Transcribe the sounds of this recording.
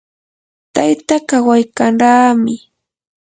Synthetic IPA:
t̪ajt̪akawajkaɴɾaːmɪ

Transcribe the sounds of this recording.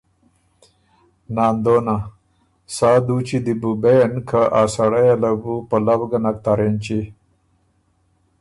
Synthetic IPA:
naːnd̪ona | saːd̪ut͡ɕid̪ibubejenkʰaʔaːsaɽajalabupəlabɡanak̚t̪aɾent͡ɕi

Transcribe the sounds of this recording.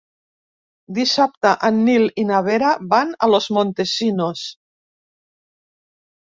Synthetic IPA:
d̪isap̚t̪aʔanːilinaβeɾabana̰lozmont̪esinos

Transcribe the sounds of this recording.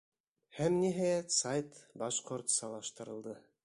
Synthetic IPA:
hæmniɦæjæt̪sɑjt̪bɑʃqoɾt̪sɑlˠɑʃt̪ɤ̆ɾɤ̆lˠd̪ɤ

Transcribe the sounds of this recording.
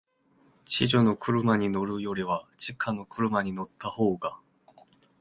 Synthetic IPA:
t͡ɕiʑono̞kɯ̟ɾɯ̟maɲ̟ino̞ɾɯ̟jo̞ɾʲiβat͡ɕikʰano̞kɯ̟ɾɯ̟maɲ̟ino̞t̪ʰːaho̞ːɡa

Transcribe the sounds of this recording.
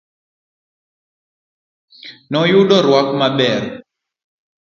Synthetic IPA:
nɔjuɗɔɾwakmaɓɛɾ

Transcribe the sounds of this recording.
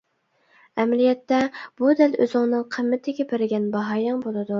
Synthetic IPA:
ɛmlijɛt̪ːɛb̥ud̪ælø̰zɪŋnɨŋqʰəmːɪt̪ʰɪɡʲepʰɪɾɪɡʲɛnbɑɦɑːjɑŋbolˠɨd̪u

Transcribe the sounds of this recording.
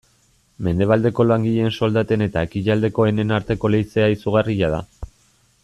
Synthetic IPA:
me̞nd̪e̞β̞ald̪e̞ko̞laŋɡiʎe̞nso̞ld̪at̪e̞ne̞t̪aekiʎald̪e̞ko̞e̞ne̞naɾt̪e̞ko̞le̞jt͡seaisuɣ̞ariʎaða̰

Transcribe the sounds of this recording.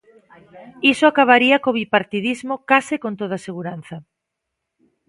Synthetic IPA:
isoakaβaɾiɐkoβipaɾt̪iðizmokasɪkõnt̪oðaseɣuɾanθɐ

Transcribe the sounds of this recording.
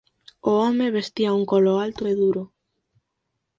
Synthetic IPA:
oɔmeβest̪iauŋkoloalt̪oeðuɾo

